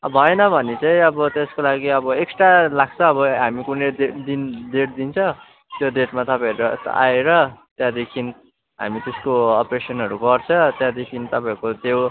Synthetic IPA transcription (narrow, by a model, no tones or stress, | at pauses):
ʌbʱʌenʌbʱʌnet͡saĩʌbʌt̪eskolaɡiʌbʌeksʈalaɡ̚t͡sʰʌ̃ːbʌɦamikuneded̪ind̪eʈ̚d̪int͡sʰʌ̃ | t̪jod̪eʈmat̪ʌpãjɾʌ̰a̰eɾʌt̪jãd̪ekʰin | ɦa̰mit̪eskoʌpresʌnɦʌɾuɡʌrt͡sʰʌ̃t̪jãd̪ekʰint̪ʌpaĩkot̪ew